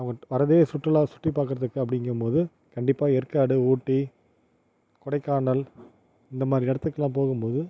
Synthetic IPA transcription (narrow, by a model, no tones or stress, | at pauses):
ɐʋɐŋɡɐʋɐɾɐðesʊʈrɐlaːsʊʈːripːaːkɯɾɐðɯkːɯɐp̬ːɐɽɪŋɡɯmpoːðɯ | kɐɳɖɪpːaːɛɾkaːɽɯuːʈːi | kɔɽɐɪkːaːɳɐl | ɪnd̪ɐmaːd̪ɾɪɛɽɐt̪ːɯkːɐlːaːmpoːɣɯmpoːðɯ